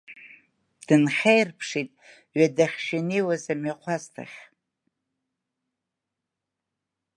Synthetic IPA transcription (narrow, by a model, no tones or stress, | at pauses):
d̥ɨnχʲejrpʰʂitʼ | ɥadaχʲʃɪnejwazamɥaqʷʰaztʰa̰χʲ